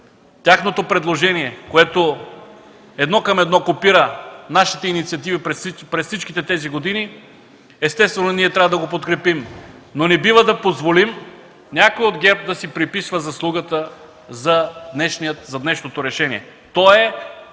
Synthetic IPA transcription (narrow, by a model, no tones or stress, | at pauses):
t̪ʲaxnot̪opɾɛd̪lˠoʒɛniɛkoɛt̪o | ɛd̪nɔkɐmɛd̪nɔkopiɾənaʃit̪ɛinit̪siɐt̪̬ivipɾɛpɾɛssit͡ʃk̟it̪ɛt̪ɛziɡod̪ini | ɛst̪ɛst̪vɛnoniɛt̪ɾʲavəd̪ɐɡopot̪kɾɛpimnonɛbivəd̪ɐpozvolim | nʲakoiod̪ɡʲɛɾp̚d̪ɐsipɾipisvɐzɐslˠuɡət̪ə | zɐd̪nɛʃniət̪zɐd̪nɛʃnot̪oɾɛʃɛniɛ | t̪ɔɛ